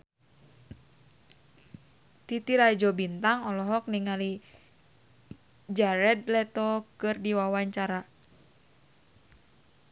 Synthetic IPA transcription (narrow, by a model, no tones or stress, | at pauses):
t̪it̪iɾad͡ʒɔbint̪aŋɔlɔɦɔk̚niŋali | d͡ʒaɾɛd̪̚lɛt̪ɔkɨrdiwawaɲt͡ʃaɾa